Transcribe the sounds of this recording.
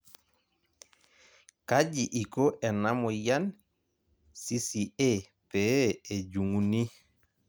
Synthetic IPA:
ka˦d͡ʒi˨ʔi˨ko˦ʔɛ˨na˦mɔ˨ja˦n | si˦si˨e˦ | pɛ˨˦e˨ɟu˨ŋu˨ni˦

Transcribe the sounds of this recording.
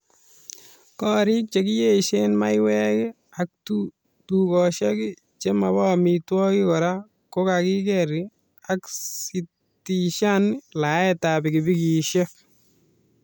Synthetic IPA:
kɔː˦ɾi˦k̚t͡ʃe˨ki˦je˦ʃe˦nma˦jwɛkɪ˦ | ak̚tu | tukɔʃɛ˦kɪ˦ | t͡ʃe˦ma˨bɔ˦mitwɔ˦kɪ˦kɔ˨ɾa˦ | ko˦kaki˦kɛɾi | aksi | tiʃanɪla˨˦ɛ˦tabɪkɪbi˦kiʃek̚

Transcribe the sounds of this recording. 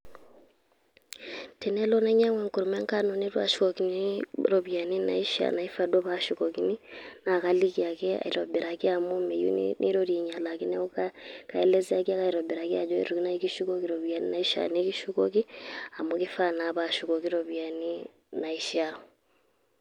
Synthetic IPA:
tʰe˨nɛ˦lɔ˦nɛ˦ɲa˦ŋwɛ˨ŋku˨ɾu˨mɛ˦ŋka˦nɔ˨ne˦ɾwa̰˦ʃu̥˦kɔki˨niɾɔ˨βja˨ni˦na̰˨i˦ʃa̰˨na˨i˦fa˨dɔ˦βa˦ʃukɔki˦ni˦na˨ka˦li˦kia˨kɛ˦a̰˨i˨ɾɔ̰˨be˨ɾa˨ki˦a˦mo˦me˨jṵ˦n̰nʔḭ˦ɾo˦ɾi˨ɲa˨la˨ki˦nɛ˦o˦kakaɛ˦lɛ˦zi˦a˦ki˦a˦ka˦iɾɔ˨be˨ɾa˨ki˦a˨d͡ʒɔ˦ḛ˦ɾo˨ki˦na˦iki˦ʃu˦kɔ˦kiɾoβja˨n˦nai˦ʃa̰˨neki˦ʃu˦kɔki˦a˨mo˦ki˦fa˦na˨βaʃu˨kɔ˨ki˦ɾoβja˨ni˦ | na˨i˦ʃa˦

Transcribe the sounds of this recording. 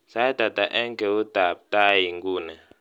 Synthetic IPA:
sa˦i˦d̥ʱa˨d̥ʱa˨ʔɛ˦ŋkʼɛ˨u˦d̥ʱa˨b̚tʼa˦ji˨ŋɡuː˦nɛ˨

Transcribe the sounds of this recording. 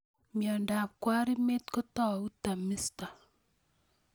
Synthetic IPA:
mjɔ˨nda˨p̚kwa˦ɾi˦me˦tko˦tɔ˦˨u˦ta˨mi˦sta˨

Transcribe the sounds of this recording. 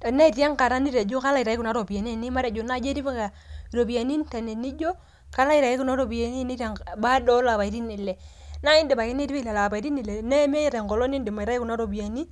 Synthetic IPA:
ta˨ne˦˨ta˦ŋka˨ɾa˦ni˦ɾe˨d͡ʒo˦ka˦la˦i˨ɾa˨˦i˦ku˨na˨˦ɾo˨ba˨n˦e˨ni˦ma˦ɾe˨d͡ʒo˨na˦d͡ʒe˦ɾi˦bi˦ka˨ | ɾo˨bi˨ja˨ni˦nta˨ne˨ni˦d͡ʒo˦ | ka˦la˦i˨ɾa˨i˦ku˦na˦ɾo˨bi˨a˨ni˦ni˦ɾa˨ŋba˦dɔ˦la˨βa˨i˨ɾi˦ni˨lɛ˨ | na˦i˦ndi˨ba˨ki˦ni˦ɾi˦bi˦le˨la˨ba˨i˨ɾi˦ni˨le˨ne˦m˦e˦ɾe˨ŋkɔ˨lo˦ni˦ndi˨ma˨i˨ɾa˦i˦ku˨na˦ɾo˨bi˨ja˨ni˦

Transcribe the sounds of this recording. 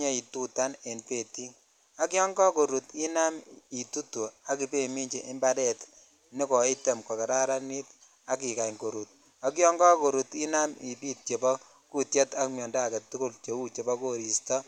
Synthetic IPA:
ɲe˦i˨tu˦ta˦ne˨npe˦˨ti˦ | a˦kjɔ˦ŋɡɔ˦ko˨ɾu˨ti˦na˦mi˨tu˦tu˨a˦ki˨pe˦mi˦ɲt͡ʃi˨ʔɪ˦mba˦dɛ˦˨t | nɪ˦kɔ˨i˦te˨mkɔ˨ke˨ɾa˦ɾa˦ni˦t | a˦k̬i˨ka˨ŋko˨ɾu˨t̚ | a˦k̬jɔ˦ŋɡɔ˦ko˨ɾu˨ti˦na˦mi˨pi˦t̚t͡ʃe˨bɔ˦ | ku˦tje˦ta˦kmjɔ˨nda˦a˨kɛ˨tːu˦ko˦lt͡ʃe˨˦u˦t͡ʃe˨bɔ˦ko˦ɾi˨stɔ˦

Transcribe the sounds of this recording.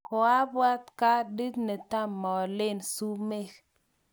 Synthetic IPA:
kɔ˨a˦bwa˦t̪ka˦di˦tne˨t̪a˦mːɔ˨lɪ˦nsu˦me˦˨k

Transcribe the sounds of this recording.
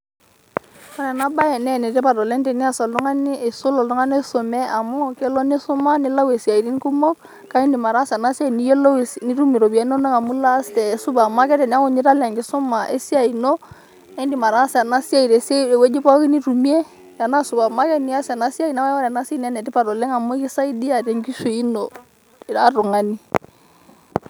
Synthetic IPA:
kɔ˦ɾɛ˨na˦ba˦ɛ˨nɛ˦˨nɛ˨tɛ˦pa˨dɔ˨lɛ˦ndɛ˨ni˦a˦˨sa˨ldu˦ŋa˦ni˦e˨sʊ˦lɔ˨ldu˦ŋa˦ne˦so˨mɛ˦ʔa˨mɔ˦kɛ˦lɔ˦ne˦sʊ˦ma˦ni˦la˦we˨si˨a˨i˨ɾi˦n˦ku˦mo˦ | ka˨˦i˦ndi˨ma˨ɾa˦sna˦si˦a˦˨i˨ni˦jo˦lo˦˨ni˦ɾu˦mi˨ɾo˨bi˨a˨˦no˦na˦ŋa˨mu˦la˦stɛ˨su˦ba˨ma˦kɛ˦tɛ˨n˦a˦kʊ˨ɲi˦ɾa˦la˨ŋɡi˦sʊ˦ma˨ʔe˦si˦a˨i˨no˦ | ɛ˦ndi˨ma˨ɾa˨˦sɛ˨a˨na˦si˦a˦˨i˨ɾe˨se˦˨wɛ˦d͡ʒi˦pa˦ki˦ni˦ɾu˨mi˦e˦ | ja˨na˦su˨ba˨ma˦kɛ˦ni˦a˦sa˨na˦si˦a˦i˨na˦wa˦wa˦ɾa˨na˦si˦n˨a˦nɛ˨ti˦pa˨ɾɔ˨lɛ˦ŋa˨mɔ˦ki˦sa˦i˦di˦a˨ɾɛ˨ŋɡi˦ʃu˨i˦nɔ˨ | a˦ɾʊ˨ŋa˦ni˦

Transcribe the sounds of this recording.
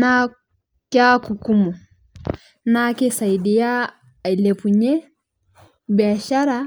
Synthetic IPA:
na | ka˦ku˨ku˦mɔ˨ | naki˦sa˨i˨di˨ja˦˨ | le˨puɲɛ˦ | bia˨ʃa˦ɾa

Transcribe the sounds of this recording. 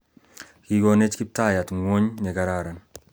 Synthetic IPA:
kiɡone˦t͡ʃki˦p̚ta˦ja˨tŋo˦ɲne˨ɡaɾaːɾa˨n

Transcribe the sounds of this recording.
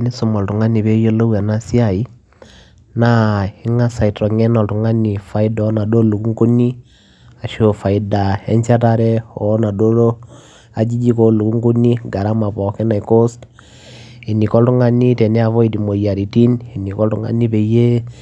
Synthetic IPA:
ni˦sʊ˨mɔ˨ltu˨ŋa˦ni˨βe˦jo˦lo˦wa˨na˦si˦a˨i˦ | na˦i˦ŋa˦sa˨i˨tɾɔ˨ŋɛ˦nɔ˨ltu˨ŋa˦ni˨fa˨i˦dɔ˦na˨do˦lu˨ku˦ŋɡu˦ni˦ | a˨ʃo˨fa˨i˨da˨ɛ̰˦ɲt͡ʃa˦ta˦ɾɛ˦ɔ˨˦na˨do˦lo˦ | a˨d͡ʒi˦d͡ʒi˦ko˦lu˨ku˦ŋɡu˦ni˦ɡa˨ɾa˦ma˨pɔ˨kɛ˦na˨i˨ko˦st | e˨ni˨kɔ˦ltu˦ŋa˦ni˦tɛ˨nɛ˦a˨βɔ˦i˨di˨mo˨ja˨ɾi˨ti˦ni˨ni˨kɔ˦ltu˦ŋa̰˦ni˦be˨je˦

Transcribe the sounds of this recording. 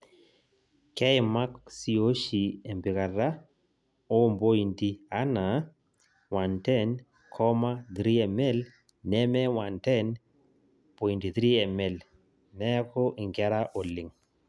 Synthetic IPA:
kɛ˦ɪ˨ma˦ksi˨o˦ʃi˨e˨mbɪ˨ka˨ɾa˦ | o˦mbo˦i˨nti˦a˦na˨ | wa˨ntɛ˦n | kʰɔ˦ma˦d̪ɾi˦ɛ˨mɛ˦l | nɛ˦mɛ˦wa˨ntɛ˦n | po˨i˨nti˨d̪ɾi˦ɛ˨mɛ˨l | nɛ˦kɔ˦ʔɪ˨ŋɡɛ˦ɾa˦ʔo˨lɪ˨ŋ

